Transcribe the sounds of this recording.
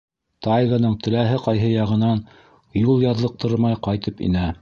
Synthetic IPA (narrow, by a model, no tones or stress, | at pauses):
t̪ɑjɡanɤɴt̪ɘ̆læɦɘqɑjɦɤjɑʁɤ̆nɑn | julˠjɑðlˠɤ̆q̚t̪ʰɤɾmɑjqɑjt̪ɤpḭnæ